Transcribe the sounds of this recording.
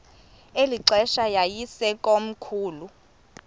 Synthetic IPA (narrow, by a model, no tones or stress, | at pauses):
eliǀɛʃajajisɛkʼom̩kʰuːlu